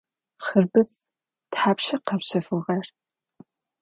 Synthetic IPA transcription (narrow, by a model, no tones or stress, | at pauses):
χɨrbɨt͡sʼ | tħaːpʃɐqɐpɕɐfɨʁɐr